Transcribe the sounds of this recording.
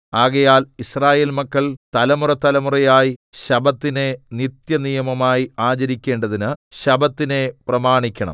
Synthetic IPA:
aːɣɐjaːlisraːje̞ːlmɐkːɐɭt̪ɐlɐmurɐt̪ːɐlɐmurɐjaːjiɕɐbɐt̪ːine̞nit̪jɐnijɐmɐmaːjiaːt͡ɕɐɾikʲːe̞ːɳɖɐðinɨɕɐbɐt̪ːine̞prɐmaːɳikʲːɐɳɐ̰m

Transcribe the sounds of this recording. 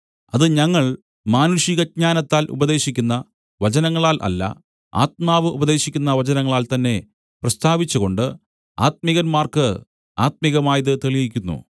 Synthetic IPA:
ɐðɨɲɐŋːɐɭ | maːnuʂiɣɐɲaːnɐt̪ːaːlʔṵbɐðe̞ːɕikʲːunːɐ | ʋɐt͡ɕɐnɐŋːɐɭaːlʔɐ̰lːɐ̰ | a̰ːt̪̚maːʋɨʔubɐðe̞ːɕikʲːunːɐʋɐt͡ɕɐnɐŋːɐɭaːlt̪ɐnːe̞ | prɐst̪ʰaːʋit͡ɕːuɣo̞ɳɖɨ | aːt̪̚miɣɐnmaːrkɨ | aːt̪̚miɣɐmaːjɐðɨt̪eɭijikʲːunːṵ

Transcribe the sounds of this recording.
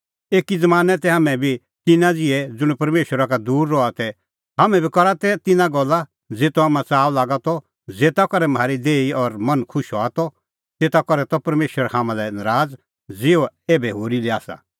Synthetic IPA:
eːkid͡zɐmaːnɛt̪ɛɦaːmɛ̃bʱi | t̪ɪnãd͡zɪɛd͡zʊɽ̃pɐɾmeːʃəɾakad̪uːɾːɔat̪ɛ | ɦamɛ̃bʱikɔɾat̪ɛt̪ɪnãɡɔlːa | d͡zeːt̪oɦaːmãt͡saːʋlaːɡat̪ɔ | d͡zeːt̪akɔɾɛmaːɾid̪eːiɔɾmɐnkʰʊʃɔaːt̪ɔ | t̪eːt̪akɔɾɛt̪ɔpɐɾmeːʃəɾhaːmãlɛnɐɾaːd͡z | d͡zɪɔeːbɛɦoːɾiliaːsa̰

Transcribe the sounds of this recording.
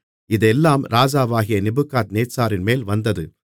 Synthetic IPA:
ɪðɛlːaːmɾaːd͡ʒaːʋaːɣɪjɐnɪbɯkːaːt̪neːsaːɾɪnmeːlʋɐnd̪ɐðɯ

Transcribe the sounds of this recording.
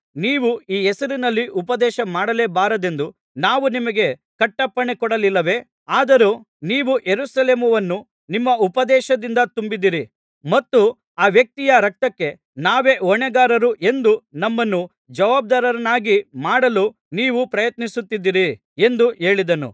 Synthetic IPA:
niːʋuiːɛsɐɾinɐlːiʔupɐd̪ɛːʃɐmaːɽɐleːbaːɾɐd̪e̞nd̪u | naːʋunimɐɡe̞kɐʈːɐpːɐɳekɔɽɐlilːɐʋe̞ | aːd̪ɐɾu | niːʋujeɾusɐleːmɐʋɐnːu | nimːɐupɐd̪ɛːʃɐd̪ind̪ɐt̪umbid̪ːiɾi | mɐt̪ːu | aːʋjɐk̚t̪ijɐɾɐk̚t̪ɐkːe̞ | naːʋe̞ːɔɳɛɡaːɾɐɾuʔe̞nd̪unɐmːɐnːu | d͡ʒɐʋaːb̚d̪aːɾɐɾɐnaːɡimaːɽɐlu | niːʋupɾɐjɐt̪nisut̪ːid̪ːiɾi | e̞nd̪ue̞ːɭid̪ɐnṵ

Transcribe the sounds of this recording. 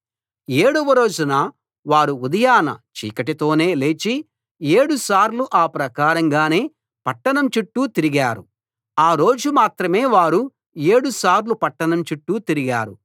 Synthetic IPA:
eːɽɔʋɐɾo̞ːd͡ʒunɐ | ʋaːɾuud̪ɐjaːnɐ̰t͡ʃḭːkɐʈit̪o̞ːne̞ːle̞ːt͡ʃi | eːɽusaːɾluʔaːpɾɐkaːɾɐŋɡaːne̞ː | pɐʈːɐɳɐmt͡ʃuʈːut̪iɾiɡaːɾu | aːɾo̞ːd͡ʒumaːt̪ɾɐme̞ːʋaːɾu | e̞ːɽusaːɾlupɐʈːɐɳɐmt͡ʃuʈːuːt̪iɾiɡaːɾṵ

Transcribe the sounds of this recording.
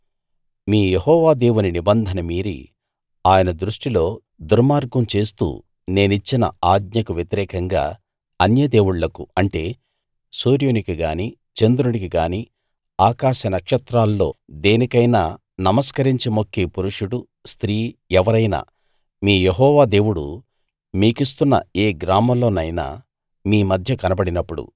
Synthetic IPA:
miːjeɦɔːʋaːd̪eːwuninibɐnd̪ʱɐnɐmiːɾḭ | aːjɐnɐd̪ɾuʂʈilo̞ː | d̪uɾmaːɾɡɐmt͡ʃe̞ːst̪ṵː | ne̞ːnit͡ʃːinɐ̰aːd̪ɲɐkuʋjɐt̪iɾɛːkɐŋɡa̰ː | ɐnjɐd̪e̞ːwuɽlɐkuɐɳʈe̞ː | soːɾjonikiɡaːni | t͡ʃend̪uɾunikiɡaːni | aːkaːʃɐnɐkʂɐt̪ɾaːlːo̞ːd̪e̞ːnikɐjnaː | nɐmɐskɐɾiɲt͡ʃimo̞kʰːeːpuɾuʂuɽu | st̪ɾiːɛʋɐɾɐjna̰ː | miːjeɦɔːʋaːd̪e̞ːwuɽṵ | miːkist̪unːɐ̰e̞ːɡɾaːmɐmlo̞ːnɐjna̰ː | miːmɐd̪ʱjɐkɐnɐbɐɽinɐpːuɽṵ

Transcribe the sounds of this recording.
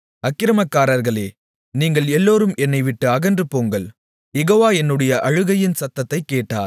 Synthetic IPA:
ɐkːɪɾɐmɐkːaːɾɐɾɣɐɭeː | niːŋɡɐɭɛlːoːɾɯmɛnːɐɪʋɪʈːɯɐɣɐndrɯpoːŋɡɐɭ | jɛɣoːʋaːɛnːɯɽɐjɐʔɐɻɯɣɐjɪnsɐt̪ːɐt̪ːɐɪkːeːʈːaːɾ

